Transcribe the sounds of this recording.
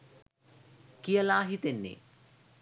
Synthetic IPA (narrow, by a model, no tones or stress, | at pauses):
kijəlaːɦit̪enːḛ